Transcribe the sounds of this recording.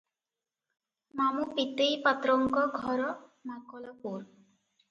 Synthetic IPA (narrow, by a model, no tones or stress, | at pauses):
mamupit̪ejpat̪ɾɔŋkɔɡʱɔɾɔmaŋkɔlɔpuɾ